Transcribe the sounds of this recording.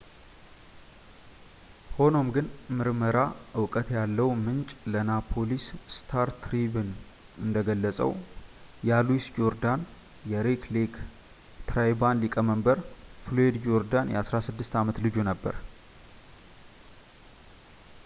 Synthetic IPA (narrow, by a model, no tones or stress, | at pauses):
ho̞no̞mɡɨnmɨɾməɾaʔɨwkʼət̪jalːəwmɨnt͡ʃʼlənapʰo̞lisst̪ʰaɾt̪ɾibɨn | ɨnd̪əɡəlːəsʼə̰wjaluwisd͡ʒo̞ɾd̪an | jɛɾeklik | t̪ɾajbanlikʼəməmbəɾfloed̪d͡ʒo̞ɾd̪anjɛ̰ʔasɾasɨd̪ːɨst̪amət̪lɨd͡ʒunəbːə̰ɾ